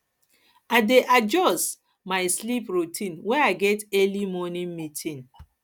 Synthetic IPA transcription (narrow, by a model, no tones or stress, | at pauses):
adeʔad͡ʒɔs | maɪslipɹutʰĩnwɛaɪɡɛtɛlimɔnĩnmitʰĩn